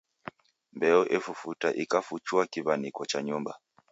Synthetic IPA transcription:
mbɛɔʔɛfufutaʔikafut͡ʃuakiβanikɔt͡ʃaɲumba

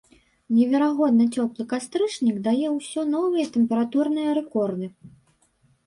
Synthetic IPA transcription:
nʲɛvʲɛɾaɣɔd̪̚nɨt͡sʲɔplˠɨkast̪ɾɨʂnʲiɡd̪ajɛwsʲɔnɔvɨjɐt̪ɛmpʲɛɾat̪urnɨjɐɾɛkɔrd̪ɨ

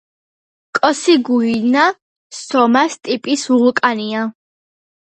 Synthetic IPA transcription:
kʼɔsiɡuina | sɔmast̪ʼipʼisuʁukʼania

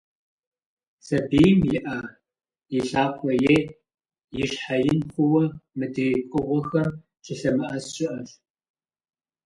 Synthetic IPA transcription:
sɐbiːjmjɪʔa | jɪɬaːkʷʰʼɔjeː | jɪʂħajɪnxʷʊwɐmɨdɨkʷʼʊʁʷɔxɐr | t͡ʃʰʼɨɬɐmɨʔɐsɕʼɪʔɐɕ

